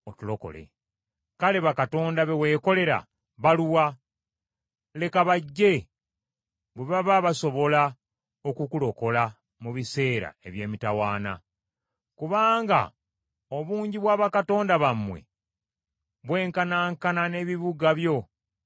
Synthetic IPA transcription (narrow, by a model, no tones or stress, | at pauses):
otulo̞ko̞̰le̞̰ | kale̞βakato̞ːndaβewe̞ːko̞le̞ɾa̰ | βaluwa | le̞kaβaɟːe̞ | βweβaβaβaso̞βo̞la | o̞kukulo̞ko̞la | muβise̞ːɾa̰e̞βje̞ːmitawaːna̰ | kuβaːŋɡa̰ | o̞βuːɲɟiβwaːβakato̞ːndaβamwe̞̰ | βwe̞ːŋkanaːŋkanane̞ːβiβuɡaβjo̞